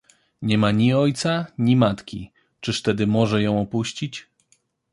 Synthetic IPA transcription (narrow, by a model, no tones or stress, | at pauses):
ɲɛmaɲiɔjt̪saɲimat̪kʲḭ | t͡ʂɘʂt̪ɛd̪ɘmɔʐɛjɔ̃w̃ɔpuɕt͡ɕit͡ɕ